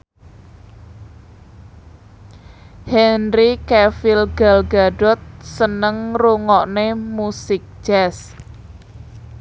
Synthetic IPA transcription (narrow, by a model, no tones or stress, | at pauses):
hɛnɾikɛfilɡalɡaɖɔt̪̚sənəŋruŋɔʔnemusɪk̚d͡ʒ̥ɛs